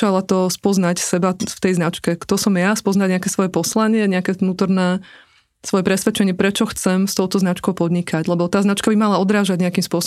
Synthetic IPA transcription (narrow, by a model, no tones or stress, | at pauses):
alat̪ɔspɔznacsɛbaft̪ɛjznat͡ʃkɛkt̪ɔsɔmjaspɔznaɟɲɛakɛsʋɔjɛpɔslaɲɪɛɲɛakɛnuːt̪ɔɾnɛː | sʋɔjɛpɾɛsʋɛt͡ʃɛɲɪɛpɾɛt͡ʃɔxt͡sɛmst̪ɔʊt̪ɔznat͡ʃkɔʊpɔd̪ɲikaɟlɛbɔt̪aːznat͡ʃkabimalaɔd̪ɾaːʒaɟɲɛakiːmspʊɔs